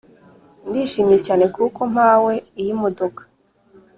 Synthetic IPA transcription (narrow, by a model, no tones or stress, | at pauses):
ndiːʃiːmijecaːne̞kʰuko̞m̥aːweijimodokḁ